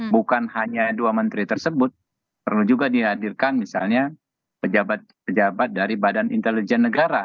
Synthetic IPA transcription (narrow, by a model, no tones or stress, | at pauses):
bukanhaɲaduamənt̪ɾit̪ərsəbʊt̪̚ | pərlud͡ʒuɡadiɦadirkanmisa̰lɲa | pəd͡ʒabat̪̚pəd͡ʒabat̪̚daɾibadanḭnt̪əlid͡ʒɛnːəɡaɾa